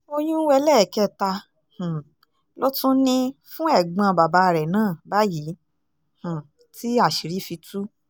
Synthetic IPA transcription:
o˧j̃ũ˦wɛ˧lɛ˦˨kɛ˦˨ta˧ | hũ˨ | lo˦tũ˦nĩ˦fũ˦ɛ˦˨ɡ͡bã˧ba˨ba˧˦˧ɾɛ˨nãː˦˨ba˦ji˨˦ | h̩˨ | ti˦a˦˨ʃi˨ɾi˨˦fi˧tu˦

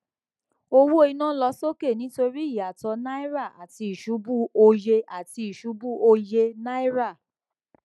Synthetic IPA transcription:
o˧wu˦o˦i˧nã˦lɔ˧˦so˦ke˦˨nĩ˨˦to˧ɾi˦i˦˨a˨tɔ˧na˦i˦ɾa˦˨ʔa̰˨ti˧i˨ʃu˨˦bu˦o˧je˧ʔa˨ti˧i˨ʃu˨˦bu˦o˧je˧na˦i˦ɾa˦˨

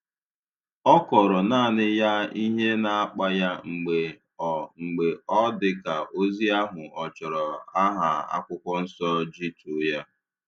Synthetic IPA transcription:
ɔ˦kɔ˨ɾɔ˨naː˦˨nɪ˦ja˦i˦ɦe˦na˨a˦k͡pa˦ja˦ŋ͡m̩˨ɡ͡be˨ | ɔ˨ŋ͡m̩˨ɡ͡be˨ɔ˦dɪ˦ka˨ʔo˦zi˦a˦ɦʊ˨ɔ˨t͡ʃɔ˨ɾɔ˨a˦ɦa˨a̰˦kʷʊ˦kʷɔ˦n̩˦sɔ˦d͡ʒi˦tu˨˦ja˦

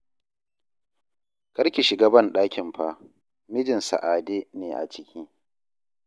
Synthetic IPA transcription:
kɐ˦ɾkʲi˨ʃɪ˨ɡaː˦bɐ˦˨nɗaː˦kʲɪ˨mɸaː˦ | mɪ˦d͡ʒɪ˨nsa̰˨ʔaː˨deː˦neː˨ʔa̰˨t͡ʃɪ˦kʲʰiː˦

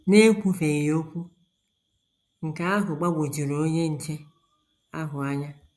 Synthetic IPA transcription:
ne˦kʷu˦fe˨ɣo˦kʷu˦ | ŋ̩˨ka˨a˦ɦʊ˨ɡ͡ba˦ɡʷo˨d͡ʒi˨ɾo˨o˦ɲe˦n̩˨t͡ʃe˦ | a˦ɦʊ˨a˦ɲa˦

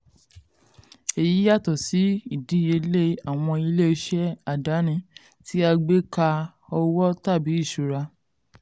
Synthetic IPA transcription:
e˨ji˨˦ja˦˨tɔ˨si˨˦i˦˨di˨˦je˧˦le˦˨a˨w̃ɔ̃˧i˧le˦˧ʃɛ˦a˦˨da˨˦nĩ˦˨ | ti˦a˧ɡ͡be˦ka˧ | ɔ˧wɔ˦ta˦˨bi˨˦i˦˨ʃu˨ɾa˧

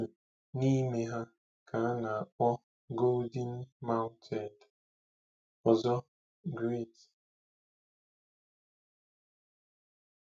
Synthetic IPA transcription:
ni˦me˦ɦa˦ | kʰa˨a˦na˨a˨k͡pɔ˦ | ɡo˦ldi˦nma˦ʊ˦ntʰɛ˨nd | ɔ˨zɔ˦ | ɡɾi˦˨t

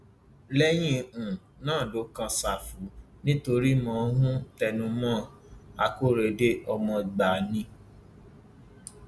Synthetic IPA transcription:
lɛ˦j̃ĩ˦ũ˨ | nãː˦˨do˨˦kã˧sa˨fu˨˦ | nĩ˦to˧ɾi˦mɔ̃˧˨˧nũ˦tɛ˧nũ˧mɔ̃˦ | a˧ko˦ɾe˧˨de˦ʔɔ˧mɔ̃˧ɡ͡ba˨nĩ˧˦

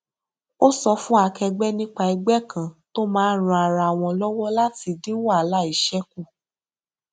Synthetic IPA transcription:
o˦sɔ˧fũ˦a˧kɛ˧ɡ͡bɛ˦nĩ˦k͡pa˧i˧ɡ͡bɛ˦kã˨to˦mãː˦ɾ̃ũ˨˧˦a˨ɾa˨w̃ɔ̃˧lɔ˦wɔ˦la˦ti˧dĩ˦wa˦˨la˦i˨ʃɛ˦ku˦˨

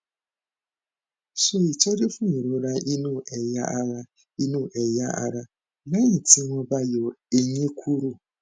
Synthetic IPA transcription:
ʃe˦˨i˨t͡ʃɔ˦ɾi˦fu˦ɲu˨ɾu˨ɾa˦ʔi˦nu˦˨e˨ja˦ɾa˦ | i˦nu˦˨ʔe˨ja˦a̰˦ɾa˦ | la˦ɲi˨ti˦ŋʷɔ˦ba˦jɔ˨e˦ɲe˦kʷʰu˦ɾu˦˨

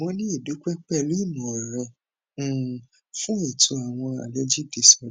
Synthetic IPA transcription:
mɔ̃˧nĩ˦i˦˨du˨˦k͡pɛ˦k͡pɛ˦˨li˦˨nũ˨ɾɛ̃˧˨ | fũ˦e˦˨tʰu˧˦a˨w̃ɔ̃˧a̰˨le˨˦d͡ʒi˦˨di˨sɔ˧˦

